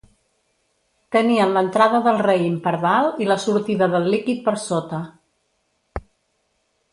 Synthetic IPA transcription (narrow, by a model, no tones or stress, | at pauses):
t̪əniənlənt̪ɾaðəðəlˠreimpəɾðalˠiləsuɾt̪iðəðəlˠːikit̪̚pəɾsot̪ə